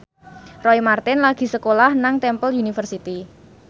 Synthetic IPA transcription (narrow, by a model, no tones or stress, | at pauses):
rɔimart̪ɪnlaɡ̥i̤səkolahnaŋt̪ɛmpəlunifərsit̪i